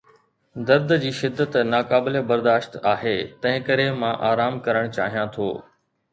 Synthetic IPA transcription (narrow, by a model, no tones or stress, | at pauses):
d̪ɐɾd̪d͡ʑiːʃɪd̪ːət̪naːkaːbɪlebɐɾd̪aːʃt̪aːɦeːt̪ɐ̃ɦɪ̃kɐɾemãʔaːɾaːmkɐɾəɽ̃t͡ɕaːɦijãt̪ʰo̰ː